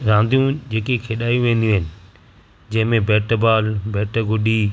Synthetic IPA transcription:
ɾãːnd̪ijũd͡ʑeːkekʰeːɗaːjũʋẽːnd̪ijũɦɪnɪ̆ | d͡ʑɐ̃ɦɪ̃mẽbɛːʈəbaːlbɛːʈəɡʊɗi

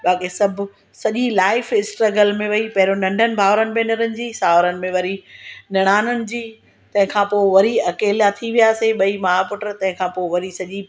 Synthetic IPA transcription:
ɓaːkisɐbʱ | sɐʄilaːɪfɪsʈɾəɡəlmẽʋɐipɐɦɪɾonɐ̃ɳɖʱənɪ̆bʱaːʋɾənɪ̆mẽnɪɾənɪ̆d͡ʑiːsaːʋɾənɪ̆mẽʋɐɾinɐɽ̃aːnənɪ̆d͡ʑiː | t̪ɐ̃ɦɪ̃kʰãːpoːʋɐɾiɐkeːlijat̪ʰiʋijaːseɓɐimaːapʊʈəɾt̪ɐ̃ɦɪ̃kʰãːpoːʋɐɾisɐʄi

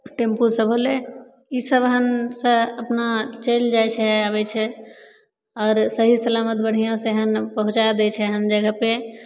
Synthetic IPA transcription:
ʈempusəbʱɦole | isəbɦənsə̃əpnat͡ʃəjld͡ʒajt͡ʃʰɛaβɛt͡ʃʰɛ | ɔːɾsəɦisəlamət̪̚bəɽ̤ijãsẽɦənpəɦũt͡ʃad̪ɛt͡ʃʰɛɦənd͡ʒəɡʱəpe

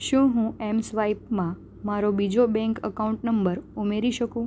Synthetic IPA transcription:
ʃũɦũɛmsʋaipmã | maɾobid͡ʒobɛ̃ŋkə̰kaũɳʈnəmbəɾumeɾiʃəkũ

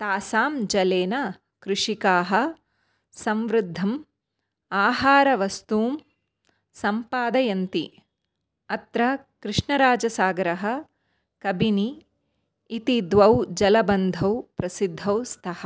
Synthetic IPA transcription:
t̪aːsaːmd͡ʒɐleːnɐ | kɾɪʂikaːɦɐ̆ | sɐmʋɾɪd̪ʱːɐm | aːɦaːɾɐʋɐst̪uːm | sɐmpaːd̪ɐjɐnt̪i | ɐt̪ɾɐ | kɾɪʂɳɐɾaːd͡ʒɐsaːɡɾɐɦɐ̆ | kɐbiniː | t̪id̪ʋɐwd͡ʒɐlɐbɐnd̪ʱɐwpɾɐsid̪ʱːɐwst̪ʰɐhɐ

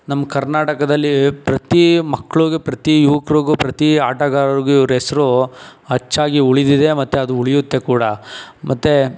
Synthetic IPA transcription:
nɐmːɐkɐɾnaːʈɐkɐd̪ɐlːipɾɐt̪imɐkːɐɭuɡepɾɐt̪ijuʋɐkɾoɡupɾɐt̪iaːʈɐɡaːɾɐɾiɡuiʋɾɛsɐɾuɦɐt͡ʃːaːɡiuɭid̪id̪e̞mɐt̪ːeɐd̪uuɭijut̪ːe̞kuːɽɐmʔɐt̪ːe

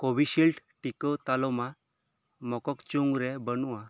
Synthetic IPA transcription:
kobiɕilʈʈikət̪alɔma | mɔkɔkt͡ɕuŋɡɾebənua

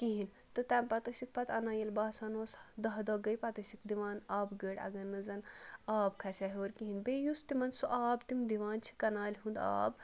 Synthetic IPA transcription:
kiɦin | t̪ɨt̪ampɐt̪ɐksik̚pɐt̪ɐnaːjelʲbaːsaːnoːsd̪ɐɦd̪ɔːɡɐjpɐt̪ɐsikd̪iʋaːnaːbɡəɽɐ̰ɡɐnːɨzɐnaːbkʰɐsʲaɦʲoːɾkiɦinbejust̪imɐnsuʔaːbt̪imd̪iʋaːnt͡ʃʰi̥kɐnaːlʲɦund̪a̰ːb

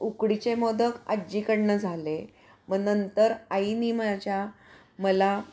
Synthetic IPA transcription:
ukɽit͡ɕemod̪əka̰d͡ʑikəɽɳəd͡zʱale | məɡnənt̪əɾainimat͡ɕja | məla

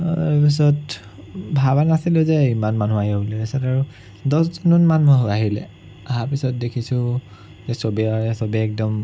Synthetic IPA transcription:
ɛpis̬ɔt | bʱabanasilʊzɛimanmanuaɦiobulɛɛsataɹu | dɔszunɔnmanɔɦaɦilɛ̰ | aɦapisɔt̚dekʰisʊ̃ | zɛsobiaɛsobiɛk̚dɔm

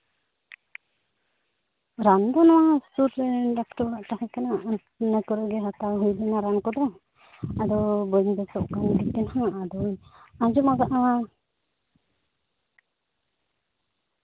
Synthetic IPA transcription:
ɾand̪ɔnɔwastuʈlɛɾnɖakʈɔɾaʔʈakɛkana | nakɔɾɔʔɡɛɦat̪aɦujlɛnaɾankɔd̪ɛ | ad̪ɔbɔɲbɛsɔʔkanɡit̪ːɛnhãad̪ɔjad͡ʒɔmaɡaʔa

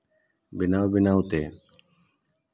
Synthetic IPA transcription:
bɪnaːwbɪnaːwt̪eː

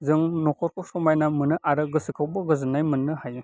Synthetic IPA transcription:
zɯŋnɔkʰɔɾkʰɔsɔmajnamɯnɯʔaɾɯɡɯsɯkʰawbɔɡɯzɯnːajmɯnɯhajɯ

